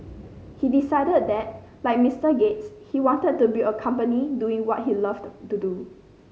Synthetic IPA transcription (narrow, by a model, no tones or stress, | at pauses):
hidisaɪdəd̚dɛt̚ | laɪk̚mistəɡetshiwɔ̃ntəd̚tːubiəkʰãmpəniduĩŋwɔt̚hilʌvtudu